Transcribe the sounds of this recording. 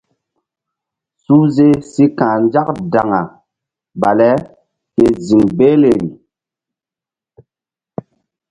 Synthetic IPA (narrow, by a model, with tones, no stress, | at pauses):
su˦ze˦si˦kãː˨nd͡ʒa˦k̚da˨ŋa˨ | ba˨lɛ˦ | ke˦zi˨ŋbe˦le˨ɾi˨